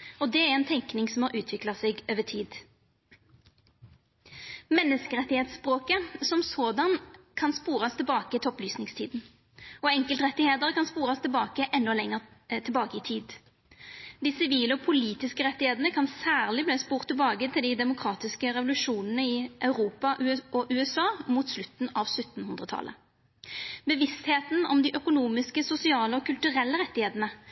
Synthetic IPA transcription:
ɔd̪ɛæʁɛnt̪ʰɛŋknɪŋsɔmhɑʔʉːt̪ʰʋɪklɑseːɡøːʋətʰiːd̪ | mɛnːəskəʁɛt̪ːɪheːt̪sspʁoːkəsɔmsɔːd̪ɑnkʰɑnspuːɾɑst̪ʰɪlbɑːkəɪt̪ʰɔplyːsnɪŋst̪ʰiːd̪n̩ | ɔɛŋkəlt̪ʁɛt̪ːɪheːd̪əʁəkɑnspuːʁɑst̪ʰɪlbɑːkəʔɛnːɔlɛŋːəʁt̪ʰɪlbɑːkəɪt̪ʰiːd̪ | d̪ɪsɪʋiːləɔpʰʊliːt̪ɪskəʁɛt̪ːɪheːt̪ənəkʰɑnsæːʁlɪbleːspuːʁt̪ʰːɪlbɑːɡət̪ʰɪld̪ɪd̪ɛmʊkʰʁɑːt̪ɪskəʁɛʋʊlʉʂuːnənəɪʔɑʉʁuːpɑʔʉɔʔʉːɛsɑːmuːt̪slʉt̪ːn̩ɑʋsʉt̪ːn̩hʉnd̪ʁət̪ʰɑ̰lʔə̰ | bəʋɪst̪heːt̪n̩ɔmd̪ɪʔœkʊnuːmɪskəsʊsɪɑːləɔkʰʉlt̪ʉʁɛlːəʁɛt̪ːɪheːt̪ənə

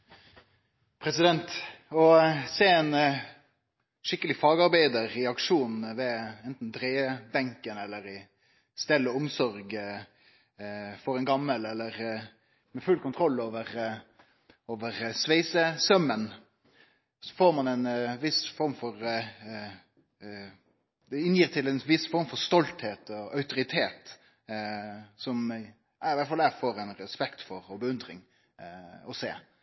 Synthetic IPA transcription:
pʰɾɛsɪd̪ɛnt̪ɔseːɛn | ʂɪkːəlɪfɑːɡɑɾbæɪd̪əɾɛɑkʂuːnʋɛɛnt̪n̩d̪ɾeːbɛŋkənɛlːəɾɪ | st̪ɛlːəɔmsɔɾɡ | fɔɾɛnɡɑmːəlːɛlːəɾ | mɛfʉlkʊnt̪ʰɾɔlːoːʋəɾ | oːʋəʁsʋeɪsəsœmːən | sɔ̥foːɾmɑnɛnʋɪsfɔɾmfɔɾ | d̪ɪnjiːɾt̪ʰɪlɛnʋɪsfɔɾʁmfɔɾst̪ɔlt̪heːt̪ɔɑʉt̪ʊɾɪt̪ʰeːt̪ | sɔm | ʔæɾɪʋæt̪fɑlæfoːɾɛnɾɛspɛkt̪fɔɾɔbəʉnd̪ʁɪŋ | ɔseː

